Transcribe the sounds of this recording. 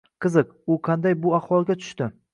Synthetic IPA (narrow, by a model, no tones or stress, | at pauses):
qʰɨzɨq̚ | ʊqʰɑnd̪ajbʊahwɒlˠɡʲat̪ʰʊ̥ʃt̪ɪ